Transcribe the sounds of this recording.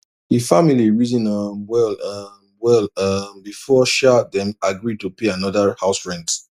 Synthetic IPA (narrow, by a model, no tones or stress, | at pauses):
hifamiliɹidĩnawɛl | wɛlʌmbifɔʃadɛ̃maɡɹid̚tupeanɔdahaʊsɹɛ̃nt